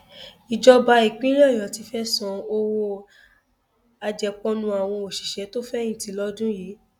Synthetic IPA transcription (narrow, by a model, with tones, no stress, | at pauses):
i˨d͡ʒɔ˧ba˧i˨k͡pĩ˦ɾɔ˦˨jɔ˨˦ti˧fɛ˦sɔ̃˧o˧wo˧ | a˧d͡ʒɛ˧k͡pɔ̃˦nũ˧a˨w̃ɔ̃˧o˨ʃi˨ʃɛ˨˦to˦fɛ˦ĩ˦˨ti˨˦lɔ˦dũ˦jiː˨˦